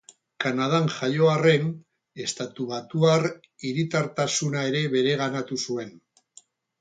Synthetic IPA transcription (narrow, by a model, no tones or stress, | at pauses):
kanað̞anʝajo̞are̞n | e̞st̪at̪uβat̪uar | iɾit̪aɾt̪asunae̞ɾe̞βe̞ɾe̞ɣanat̪usue̞n